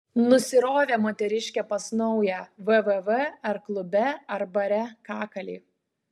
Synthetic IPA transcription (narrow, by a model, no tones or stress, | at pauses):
nʊsʲɪɾoːʋʲeːmoːt̪ʲɛɾʲɪʃʲkʲɛpɐsnɔʊjæʋəʋɛʋɛɐɾklˠʊbʲɛɐɾbɐɾʲɛkɑːkɐlʲiː